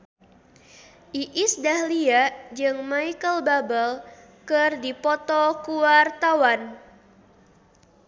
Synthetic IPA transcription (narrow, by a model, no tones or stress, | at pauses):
ʔiʔɪsdahliad͡ʒɨŋmaikəlbabəl | kɨrdipɔt̪ɔkuwart̪awan